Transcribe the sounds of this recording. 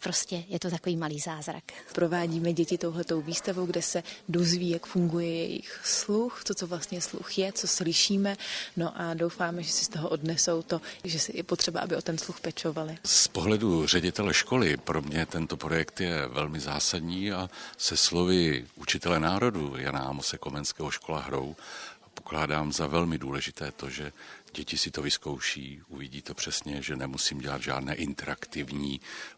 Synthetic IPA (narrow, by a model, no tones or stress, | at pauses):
pɾoscɛjɛt̪ot̪akoviːmaliːzaːzɾa̰kpɾo̞vaːɟiːmɛɟɛcɪt̪o̞wɦlɛt̪o̞wviːst̪avowɡdɛsɛdozviːjakfuŋɡujɛjɛ̰jɪ̰xsluxt͡sot͡sovlast̪ɲɛslṵxjɛt͡so̞slɪʃiːmɛno̞ʔadowfaːmɛʒɛsɪ̥st̪oɦoʔodnɛso̞wt̪o̞ʒɛsjɛpot̪r̝̥ɛbaʔa̰bɪot̪ɛnsluxpɛt͡ʃo̞valɪspoɦlɛdur̝ɛɟɪt̪ɛlɛʃko̞lɪpɾo̞mɲɛt̪ɛnt̪o̞pɾo̞jɛkt̪jɛvɛlmɪzaːsadɲiːasɛslo̞vɪʔut͡ʃɪt̪ɛlɛnaːɾo̞duja̰naamosɛko̞mɛnskɛːɦoʃko̞la̰ɦɾo̞w | po̞klaːdaːmzavɛlmɪduːlɛʒɪt̪ɛːt̪o̞ʒɛɟɛcɪsɪt̪o̞vɪsko̞wʃiːʔuvɪɟiːt̪o̞pr̝̥ɛsɲɛʒɛnɛmusiːmɟɛlad̪ʒa̰ːdnɛːʔɪnt̪ɛɾakt̪ɪvɲiː